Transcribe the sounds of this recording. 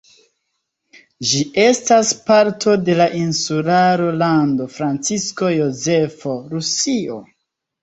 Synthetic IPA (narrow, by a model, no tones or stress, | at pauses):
d͡ʒie̞staspaɾtʰo̞de̞laʔinsulaɾo̞lando̞fɾant͡sisko̞jo̞ze̞fo̞ɾusio